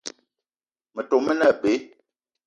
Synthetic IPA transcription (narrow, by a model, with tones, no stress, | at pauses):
mə˨to˨mə˦nə˦˨be˨˦